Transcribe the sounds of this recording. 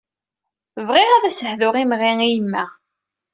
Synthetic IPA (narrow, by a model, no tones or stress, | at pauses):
vʁɪʁæðæsəhðʊʁimʁiŋijəmːæ